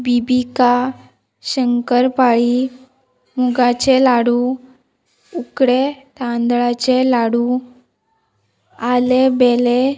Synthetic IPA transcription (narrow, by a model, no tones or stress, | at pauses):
bibika | ɕəŋkəɾpaɭi | muɡat͡ɕelaɽũ | ukɽet̪ãnd̪ɭat͡ɕelaɽũ | alebele